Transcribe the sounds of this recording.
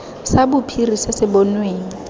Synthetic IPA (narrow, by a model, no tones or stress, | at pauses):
sabʊpʰirisɪsɪbɔnweːŋ̩